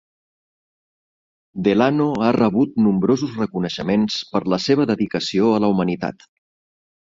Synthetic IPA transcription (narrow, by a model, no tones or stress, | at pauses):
d̪elanoarəβut̪numbɾozuzrəkunəʃəmenspəɾləseβ̞əðəðikəsioələumənit̪a̰t̪